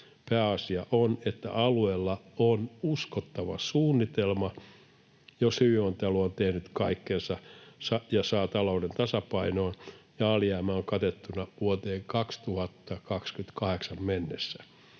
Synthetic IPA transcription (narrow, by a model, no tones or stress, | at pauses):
pæːɑsiɑʔonet̪ːæ̰ʔɑlueːlːɑonuskot̪ːɑʋɑ̰suːnːit̪elmɑ | joshyʋiont̪eluont̪ehnyt̪kɑikːensɑsɑjɑsɑːt̪ɑloudent̪ɑsɑpɑinoːnjɑɑliæːmæoŋkɑt̪et̪ːunɑʋuot̪eːŋkɑkst̪uhɑt̪ːɑkɑkskynt̪kɑheksɑmmenːesːæ̥